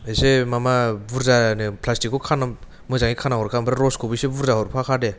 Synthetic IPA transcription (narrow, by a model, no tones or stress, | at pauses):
esemamabuɾzanepʰlastikːɔkʰana | mɯzaŋikʰanaɦɔɾkʰambɾaɾɔskʰɔbisebuɾzaɦɔɾpʰakʰade